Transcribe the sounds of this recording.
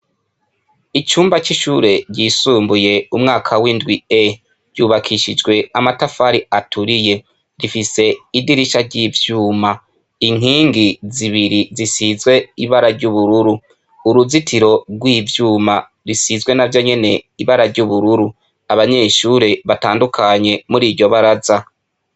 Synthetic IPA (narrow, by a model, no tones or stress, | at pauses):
it͡ʃuːmbat͡ʃiʃuːɾe̞ɾɟiːsuːmbuje̞umŋaːkʰawindɡwie | ɾɟuːβakʰiʃid͡ʒɡwe̞amatafaɾiatʰuɾije̞ | ɾifise̞idiɾiʃaɾɟiːvjuːma | iŋ̥iːŋɡiziβiɾizisizwe̞iβaɾaɾɟuβuɾuɾu | uɾuzitʰiɾo̞ɾɡwiːvjuːma | ɾisizɡwe̞navjo̞ɲe̞ne̞iβaɾaɾɟuβuɾuɾu | aβaɲe̞ʃuːɾeβataːndukʰaɲe̞muɾiːɾɟo̞βaɾaza